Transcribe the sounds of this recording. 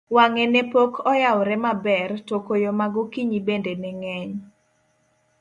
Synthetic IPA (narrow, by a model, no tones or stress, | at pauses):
waŋenepokʰɔjawɾɛmabɛrtokojomaɡʊkiɲibendenɛŋɛɲ